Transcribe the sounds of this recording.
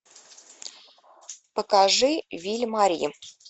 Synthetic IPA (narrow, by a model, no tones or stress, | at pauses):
pɐkaʐɨvʲilʲmaɾʲḭ